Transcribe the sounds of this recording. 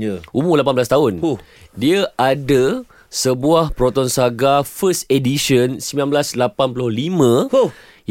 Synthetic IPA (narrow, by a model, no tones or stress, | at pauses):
əumulap̬anbəlas̬t̪aɦʊn | diaʔada | səbuahpɾɔt̪ɔnsaɡafəst̪ediʃənsəmbilãnblaslapanpulʊhlimə̃